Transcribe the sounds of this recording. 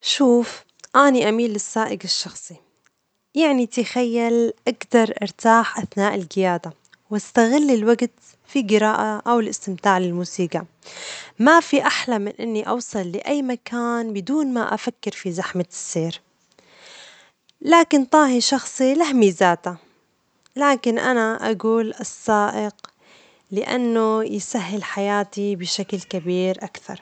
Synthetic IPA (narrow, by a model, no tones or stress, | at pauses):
ʃuːf | ʔaːniʔamiːlːɪsːaːʔɪɡɪʃːɑxsˤi | jaʕnit̪ɪxajːalʔaɡd̪ɑɾˤʔɪ̰ɾt̪aːħʔaθnaːʔɪlɡɪjaːd̪a | wast̪aɣɪlːɪlwaɡt̪ | fiɡɪɾaːʔaʔawɪlʔɪst̪ɪmt̪aːʕlɪlmuːsiːɡa | mafiʔaħlamɪnʔɪnːiʔɑwsˤɑlːɪʔajːmakaːnbɪd̪uːnma̰ʔa̰fakːɪɾfizaħmɪsːeːɾ | laːkɪnt̪ˤɑːɦiʃɑxsˤilahmizaːt̪a | laːkɪnʔa̰naʔa̰ɡuːlʔɨsˤːɑːʔɪq | lɪʔa̰nːojsaɦːɪlħajaːt̪ibɪʃaklkabiːɾʔakθɑ̰ɾˤ